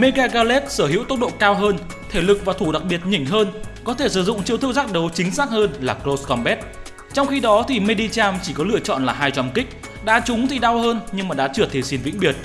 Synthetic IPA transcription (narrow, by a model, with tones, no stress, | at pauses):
me˧ɣaː˧ɣaː˧le˦˥t̚səː˧˩ɦḭ˧˥wt̪ə˦˥t̚ɗo̰˧˨kaː˧wɦəː˧n | t̪ʰe˧˩lɨ˨˩k̚vaː˨˩t̪ʰu˧˩ɗa˨˩k̚ɓi˨˩ət̚ɲi˧˩ŋ̟ɦəː˧nkɔ˨˦t̪ʰe˧˩sɨ̰˧˩zʊ̰˧˨ŋ͡mt͡ɕi˧əwt̪ɨ˧wzaː˦˥k̚ɗə˨˦wt͡ɕï˨˦ŋ̟saː˦˥k̚həː˧nlaː˨˩kɾo˧skɔ˧mɓɛ˦˥t̚ | t͡ɕɔ˧wŋ͡mxi˧ɗɔ˨˦t̪ʰi˨˩me˧ɗi˧t͡ɕaː˧mt͡ɕi˧˩kɔ˨˦lɨ̰˧˨ət͡ɕɔ̰˧˨nlaː˨˩ɦaː˧jt͡ɕwa˧mkï˦˥k̟̚ | ɗa̰ː˧˥t͡ɕʊ˨˦ŋ͡mt̪ʰi˨˩ɗa˧whəː˧nɲɨ˧ŋmaː˨˩ɗa̰ː˧˥t͡ɕɨ˧˩ət̪ʰe˧˩si˨˧nvḭ˧˥ŋ̟ɓi˨˩ət̚